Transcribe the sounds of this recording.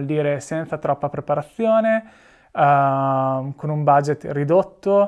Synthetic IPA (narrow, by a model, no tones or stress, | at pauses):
ld̪iːɾesɛnt̪sat̪ɾɔpːapɾepaɾat̪sːjoːne | konumbad͡ʒet̪rid̪ot̪ːo